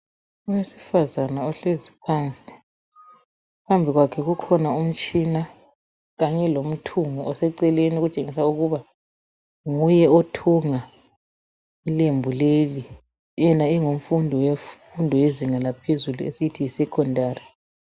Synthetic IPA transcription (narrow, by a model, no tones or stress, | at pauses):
uwesi̥fazanaɔɬezipʰant͡sʼi̥ | pʰambʱiɣwakʰɛɣukʰɔnaum̩t͡ʃʼina | ɣaɲɛlom̩tʰuŋɔʔɔsɛǀɛleniɣut͡ʃʼeŋisauɣuβa | ŋujɛotʰuŋa | ilembʱuleli | jɛnaiŋoɱfundʱɔwefundʱɔweziŋalapʰezuluesitʰijisɛkʰɔndʱaːri